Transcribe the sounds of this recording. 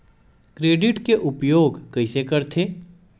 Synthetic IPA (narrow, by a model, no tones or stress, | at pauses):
kɾeːɖɪʈkeʔʊpjoːɡkɐɪsekɐɾt̪ʰeː